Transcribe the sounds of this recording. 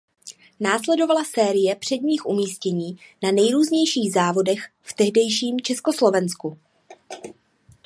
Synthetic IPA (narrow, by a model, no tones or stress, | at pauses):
naːslɛdo̞valasɛːɾɪjɛpr̝̥ɛdɲiːxʔumiːscɛɲiːnanɛjɾuːzɲɛjʃiːɣzaːvo̞dɛx | ft̪ɛɦdɛjʃiːmt͡ʃɛsko̞slo̞vɛnsku